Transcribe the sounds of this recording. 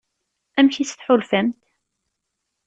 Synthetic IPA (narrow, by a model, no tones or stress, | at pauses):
æmçit͡sːθħʊlfæmt̪